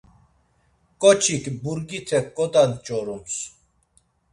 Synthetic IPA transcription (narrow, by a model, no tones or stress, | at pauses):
kʼɔt͡ʃʰikbuɾɡit̪ʰɛkːʼɔt̪ant͡ʃʼɔɾums